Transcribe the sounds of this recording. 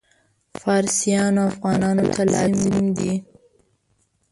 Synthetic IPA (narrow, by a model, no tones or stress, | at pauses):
fɑɾsijɑnoafɣɑnɑnot̪ʰalɑ̰md̪i